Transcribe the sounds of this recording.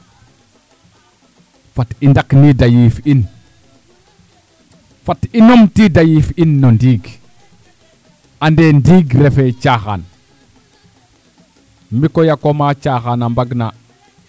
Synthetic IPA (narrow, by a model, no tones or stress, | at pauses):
fatindaknidajifin | fatinomtidajifinːondiɡ | andendiɡɾefet͡ʃaxan | mikojakomat͡ʃaxanambaɡna